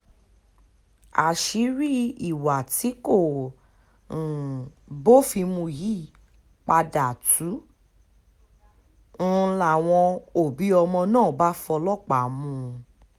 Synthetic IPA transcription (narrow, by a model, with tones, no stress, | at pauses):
a̰˨ʃi˨˦ɾi˦i˨wa˨ti˨˦ko˦˨ | bo˦˨fi˧mũ˧ji˦˨ | k͡pa˧da˨tu˨˦˧ | la˨w̃ɔ̃˧o˨bi˨˦ɔ˧mɔ̃˧nãː˦˨ba˦fɔ˧lɔ˦˨k͡pa˨mũ˧